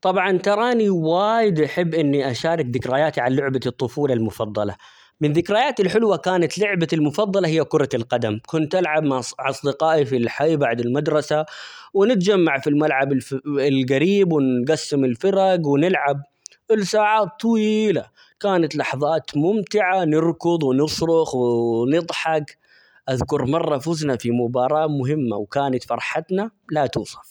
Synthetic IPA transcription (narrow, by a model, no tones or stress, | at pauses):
t̪ˤɑbʕɑnt̪ɑɾˤɑːniwaːjɪd̪ʔaħɪbːʔɪnːiʔaʃaːɾˤɪkðɪkɾaːjaːt̪iʕanlʊʕbat̪ˤːʊfuːlalmʊfɑðˤːɑ̰lɑ̰ | mɪnðɪkɾaːjaːt̪ɪlħʊlwakaːnat̪lʊʕbalmʊfɑðˤːɑlɑhɪjːakʊɾˤɑlqɑd̪amkʊnt̪ʔalʕabmaʕʕɑsˤd̪ɪqɑːʔifilħajbaʕd̪ɪlmad̪ɾˤɑsa | wɪnɪt̪̚d͡ʒamːaʕfilmalʕabɪɪlɣaɾiːbwɪnɡasːɪmɪlfɑɾaɡwɪnɪlʕab̚ | ʔɪlsaːʕaːt̪ˤːɑwiːla | kaːnat̪lɑħðˤɑːt̪mʊmt̪ɪʕanɪɾkʊðˤwɪnɨsɾʊxwnɨd̪ˤħɑɡ | ʔaðkʊɾˤmɑrˤːɑfʊznafimʊbɑːɾˤɑːmʊɦɪmːa̰wkaːnat̪fɑɾˤħat̪nalat̪uːsˤɑ̥f